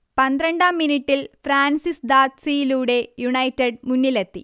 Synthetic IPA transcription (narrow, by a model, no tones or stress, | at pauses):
pɐnd̪ɾɐɳɖaːmːiniʈːilfɾaːnsisd̪aːt̪sijiluːɽe̞juɳɐjtːeɖmunːilet̪ːi